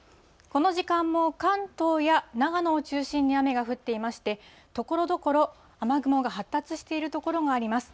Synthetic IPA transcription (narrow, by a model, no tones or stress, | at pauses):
ko̞no̞ʑikãmːo̞kãnt̪o̞ːjanaɡanoːt͡ɕɨːɕĩɲ̟ːiame̞ɡaɸɯ̟t̪ːe̞imaɕi̥t̪e̞ | t̪o̞ko̞ɾo̞d̪o̞ko̞ɾo̞ | amaɡɯ̟moɡaɦat̪ːat͡sɨɕi̥t̪e̞iɾɯ̟t̪o̞ko̞ɾo̞ɡaːɾʲimasɨ̥